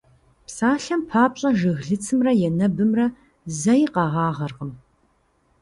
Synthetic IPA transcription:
psaːɬɐmpʰaːpɕʼɐʒɨɣɮɨt͡sʰɨmrɐjɛnɐbɨmrɐ | zɐjqɑʁɑːʁɐrʁəm

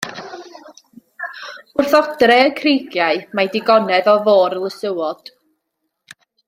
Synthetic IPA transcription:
ʊrθɔdrɛəkʰrijɡjaɨmajdɪɡɔnɛðɔvoːɾlˠəsəwɔd̥

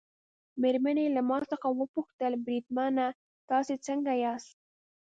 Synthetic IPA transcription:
meɾmanelamɑsəxawəpuxt̪əlbɾid̪mana | t̪ɑset͡səŋɡajɑst̪

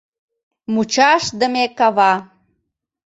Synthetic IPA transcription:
mut͡ɕɑʃd̪əmekɑβɑ

